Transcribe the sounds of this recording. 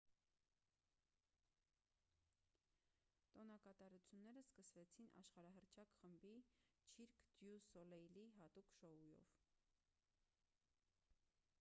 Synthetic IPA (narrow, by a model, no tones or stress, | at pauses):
t̪ɔnɑkɑt̪ɑɾut͡sʰjunːɛɾəskəsvɛt͡sʰinʔɑ̰ʃχɑɾɑɦəɾt͡ʃʰɑkχəmbit͡ʃʰiɾkʰd̪̥jusɔlɛjliɦɑt̪ukʃɔujɔ̰v